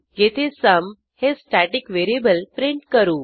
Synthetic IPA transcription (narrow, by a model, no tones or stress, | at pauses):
jet̪ʰesəm | hesʈæʈikʋeɾiebəlpɾiɳʈkəɾuː